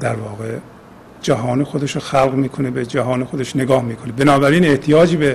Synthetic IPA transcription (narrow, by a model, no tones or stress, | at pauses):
d̪æɾvɒːɣe̞ | d͡ʒæɦɒːnexo̞d̪e̞ʃoxælɣmiːkʰo̞nebed͡ʒæɦɒːnexod̪e̞ʃneɡɒːhmiːkʰo̞nebenɒːbæɾiːneht̪ʰijɒːd͡ʒiːbe